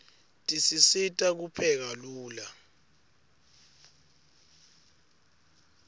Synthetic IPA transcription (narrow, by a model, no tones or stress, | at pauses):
tʼisisitʼak̬upʰɛk̬aluːla